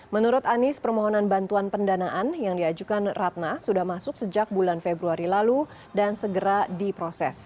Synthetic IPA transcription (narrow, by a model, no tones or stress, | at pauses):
mənuɾʊt̪anɪspərmɔɦɔnanbant̪uanpəndanaʔanjaŋdiad͡ʒukanrat̪̚nasudahmasʊk̚səd͡ʒak̚bulanfebɾuaɾilalu | dansəɡəɾadipɾosɛ̰s